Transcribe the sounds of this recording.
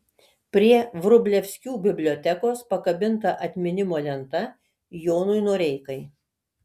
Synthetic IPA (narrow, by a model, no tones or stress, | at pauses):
pʲɾʲiɛʋɾʊbʲlʲɛfʲsʲkʲuːbʲɪbʲlʲoːt̪ʲɛkoːspɐkɐbʲɪnt̪ɐʔɐt̪ʲmʲɪnʲɪmoːlʲɛnt̪ɐ | joːnʊɪnoɔɾʲɛɪkɐɪ